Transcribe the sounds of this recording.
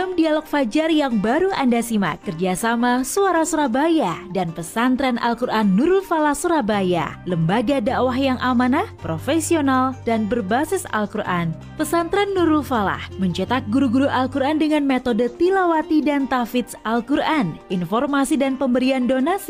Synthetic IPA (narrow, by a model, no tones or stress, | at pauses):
amdialɔk̚fad͡ʒarjaŋbaɾuandasima̰kərd͡ʒasamasuaɾasuɾabajadanpəsant̪ɾana̰lkuɾʔanːuɾʊlfalahsuɾabaja̰ləmbaɡadawaɦjaŋʔamanapɾofesionaldanbərbasɪsa̰lkuɾʔa̰n | pəsant̪ɾɛnːuɾulfala̰hməɲt͡ʃət̪ak̚ɡuɾuɡuɾuʔalkuɾandəŋanmet̪odət̪ilawat̪idant̪afɪt̪salkuɾaninfɔrmasidanpəmbəɾiandonasi